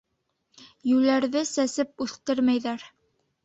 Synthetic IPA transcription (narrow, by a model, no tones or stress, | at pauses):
jʉlæɾðɘsæsɘp̚ʉθt̪ɘɾmæjðæɾ